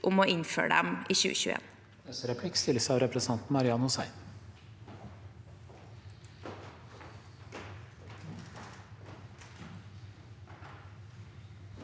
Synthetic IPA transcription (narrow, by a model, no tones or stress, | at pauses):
ʔʊmoːʔɪnfø̰ːəɖ̪ɛ̰miːçʉ̰ːəçʉḛːn | d̪ɛsəɾɛpʰlɪkst̪ɪlsəɑːʋɾɛpʰɾɛsʰɑnt̪n̩mɑɾɪɑnʊsæɪn